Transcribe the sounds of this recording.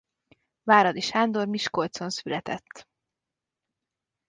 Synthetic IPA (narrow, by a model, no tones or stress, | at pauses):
vaːɾɒd̪iʃhaːnd̪o̞rmiʃko̞lt̪so̞nsylɛt̪ɛt̪ː